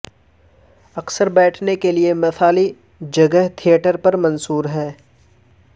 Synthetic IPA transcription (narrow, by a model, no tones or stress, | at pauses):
ɐksəɾbɛːʈʰnekeliemɐsʰaːli | d͡ʒɐɡəɦt̪ʰijəʈəɾpɐɾmɐ̃nsuːɾɦɛː